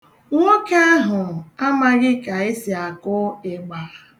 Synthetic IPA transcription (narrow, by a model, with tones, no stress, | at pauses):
ŋo˦ke˦a˦ɦʊ˨a˦ma˦ɣɪ˦ka˨e˦si˨a˨kʊ˦e˨ɡ͡ba˨